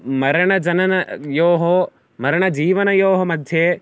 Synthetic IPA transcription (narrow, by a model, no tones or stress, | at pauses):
mɐɾɐɳ̃ɐd͡ʒɐnɐnɐjoːɦo | mɐɾɐɳ̃ɐd͡ʒiːʋɐnɐjoːɦɐmɐd̪ʱje